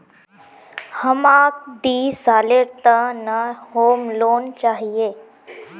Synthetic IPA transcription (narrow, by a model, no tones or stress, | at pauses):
həmaːk̚d̪iːsaːleɾt̪anahoːmloːnt͡ʃaːɦieː